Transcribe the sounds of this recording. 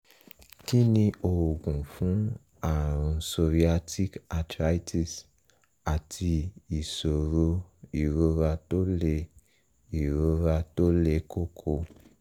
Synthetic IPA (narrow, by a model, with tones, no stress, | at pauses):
ki˦nĩ˧ʔo˨wo˨ɡũ˨fũ˦ | a˦˨ɾ̃ũ˨so˧vi˦a˧tʰi˦ka˧tɾa˦i˦ti˦s | a˨tʰi˧i˨so˨ɾo˧i˨ɾo˧ɾa˧to˦le˧ | i˨ɾo˧ɾa˧to˦le˨˦ko˦kʰo˧